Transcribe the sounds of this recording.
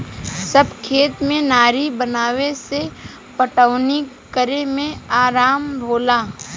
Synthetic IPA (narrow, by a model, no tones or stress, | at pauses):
səbkʰeːt̪mẽnaːɾibənaːwese | pəʈəʊni | kəɾemẽaːɾaːmbʱoːlaː